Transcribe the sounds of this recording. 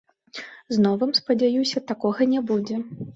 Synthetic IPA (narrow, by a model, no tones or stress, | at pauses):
znɔvɨmspɐd͡zʲajusʲɐt̪akɔɣɐnʲɛbud͡zʲɛ